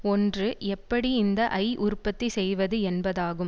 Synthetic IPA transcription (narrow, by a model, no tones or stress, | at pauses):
ɔndrɯɛpːɐɽiɪnd̪ɐʔɐɪʔʊɾpːɐt̪ːisɛjʋɐðɯɛnbɐðaːɣɯm